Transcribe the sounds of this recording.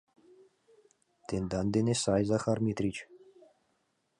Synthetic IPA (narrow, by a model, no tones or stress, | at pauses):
t̪end̪ɑnd̪enesɑjzɑxɑrmʲit̪rʲit͡ɕ